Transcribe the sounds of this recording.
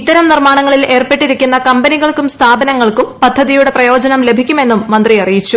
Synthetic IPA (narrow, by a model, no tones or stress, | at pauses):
it̪ːɐɾɐmnirmaːɳɐŋːɐɭile̞ːrpe̞ʈːiɾikʲːunːɐkɐmbɐniɣɐɭkumst̪ʰaːbɐnɐŋːɐɭkumpɐd̪ʱːɐðijuɽe̞prɐjo̞ːd͡ʑɐnɐmle̞bʱikʲːume̞nːumːɐnd̪riɐrijit͡ɕːu